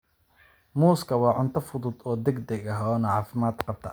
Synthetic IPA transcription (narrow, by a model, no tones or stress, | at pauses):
muːskʰɐwɑːʕʊnt̪ʰɐfʊðʊd̪ɔːd̪ɛɡd̪ɛɡɐɦɔːnɐʕɑːfɪmaːd̪qɑb̚t̪ʰɐ̰